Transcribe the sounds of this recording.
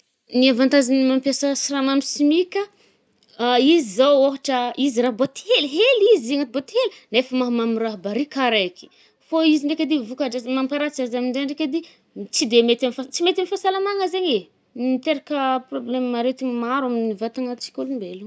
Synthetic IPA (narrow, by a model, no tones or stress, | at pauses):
niavant̪azinimampjasəsiramamisimikʲə | izizawoɦaʈ͡ʂəiziraɦbot̪ielɦelizieŋat̪̚bot̪elinefəmaɦmamiraɦbaɾikaɾaki̥ | foiziɳɖ͡ʐekʲad̪ivukaʈ͡ʂazmampaɾat͡siazamiɳɖ͡ʐeɳɖ͡ʐekʲad̪i | t͡sid̪emet̪amfat͡simet̪amifasalamaŋəzeɲe | mit̪eɾakəproblemmaɾet̪iɲimaɾaminivat̪aŋat͡si̥kʲolumbelu